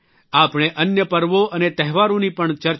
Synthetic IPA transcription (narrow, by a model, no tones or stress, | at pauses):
apɳ̃eʔənjəpəɾʋoʔənet̪ɛɦʋaɾõnipəɳt͡ʃəɾ